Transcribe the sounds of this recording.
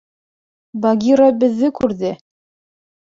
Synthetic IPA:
bɑɡʲiɾabɘ̆ðːɘkʉɾðɘ

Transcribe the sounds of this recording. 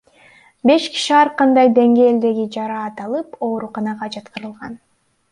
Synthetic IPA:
be̞ʃki̥ʃiɑɾqɑnd̪ɑjd̪e̞ŋɡe̞ːld̪e̞ɡid͡ʒɑɾɑːt̪ɑlˠɯpo̞ːɾuqɑnɑʁɑd͡ʒɑt̪qɯɾɯlˠʁɑ̰n

